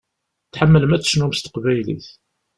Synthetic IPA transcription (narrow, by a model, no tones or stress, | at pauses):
θħəmːələmæt͡sːə̥ʃnumst̪ə̥qvæjlḭθ